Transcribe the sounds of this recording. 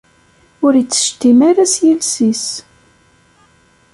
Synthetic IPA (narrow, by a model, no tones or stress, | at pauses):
ʊɾjət͡sːə̥ʃt̪imaɾæsjilsis